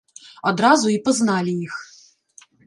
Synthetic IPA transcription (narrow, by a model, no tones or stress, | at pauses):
ɔd̪ɾazʊipɔznɑlʲijix